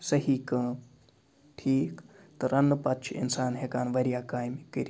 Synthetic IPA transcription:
səɦiːkə̃ː | ʈʰiːk | t̪ɐɾɐnːpɐtːt͡ʃʰḭnsaːnɦekaːnʋɐɾijaːkaːjmikiɾi

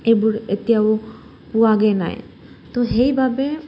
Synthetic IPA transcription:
ejbuɹet̪ijaw | puwaɡɛna̰j | t̪oɦejbʱabe

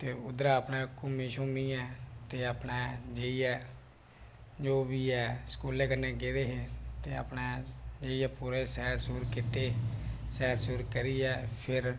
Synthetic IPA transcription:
t̪eːʊd̪ɾaːpnãːkomeʃõːmiːɛːt̪eːapnɛːd͡ʒeːiɛː | d͡ʒoːbiːɛːskuːleːkənːẽːɡeːd̪eːɦeːt̪eːə̰pnaːd͡ʒeːiːɛːpuːɾeːsɛːɾsuːɾkɪt̪eːsɛːɾsuːɾkəɾiːɛːpʰɪɾ

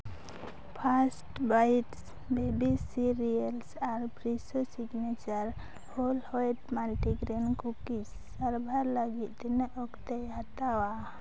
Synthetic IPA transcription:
pʰasʈbajʈs | bebisiɾiəlsaɾpɾisusiɡnet͡ʃəɾ | holhɔjʈmalʈiɡɾenkukisːəɾbʱaɾləɡit̪t̪ineʔɔkt̪ejat̪awa

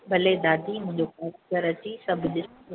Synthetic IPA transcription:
bʱɐled̪aːd̪ʱimʊ̃ɦɪ̃ɲd͡ʑokãːsɡəɾɐt͡ɕisɐbʱɗɪs

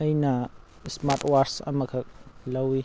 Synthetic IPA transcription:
ɐjnɐ | smaɾʈwaɾsɐ̰mɐkʰɐk̚lɐwi

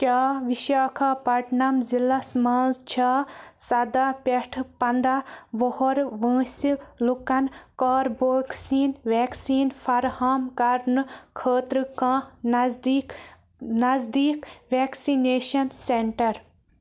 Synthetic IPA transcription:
kʲaːʋiʃaːkʰaːpɐʈnɐmzilɐsmaːzt͡ʃʰaːsɐd̪aːpeʈʰpɐnd̪aːʋohoɾʋə̃ːsilukɐnkaːɾboːksiːnʋeːksiːnfɐɾhaːmkɐɾnɨkʰəːt̪ɾɨkãːni | nɐzd̪iːkʋeːksineːʃɐnseɳʈɐɾ

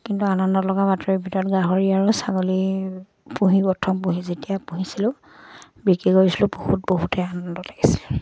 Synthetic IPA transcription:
kintuanɔndɔlɔɡabatɔɹibʱitɔɹɔtɡaɦoɹiaɹʊsaɡoli | puɦipɔtʰɔmpuɦizetijapuɦisilʊ̃ | bikiɡoɹisilʊ̃pohut̚boɦutɛanɔndɔlaɡisi̥lʊ

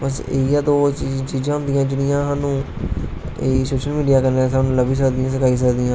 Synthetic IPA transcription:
bəseijãːd̪oːt͡ʃit͡ʃiːd͡ʒãːʊ̃nd̪ɪjãːd͡ʒɪɽɪjãːsaːnũː | esoːʃəlmiːɖijaːkənesaːnũːləbiːs̬əkd̪ɪjãːs̬ɪkaːiːs̬əkd̪ɪjãː

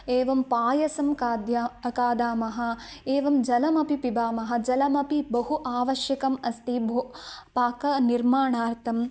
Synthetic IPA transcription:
eːʋɐmpaːjɐsɐmkːd̪jkaːd̪aːmɐɦɐ̆eːʋɐmd͡ʒɐlɐmɐpipibaːmɐɦɐ̆d͡ʒɐlɐmɐpibɐɦuʔaːʋɐʃjɐkɐmɐst̪ibʱupaːkɐniɾmaːɳaːɾt̪ʰɐm

